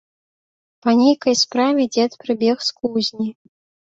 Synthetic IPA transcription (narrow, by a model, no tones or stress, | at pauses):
pɐnʲejkɐjspɾavʲɛd͡zʲɛt̪pɾɨbʲɛxskuzʲnʲi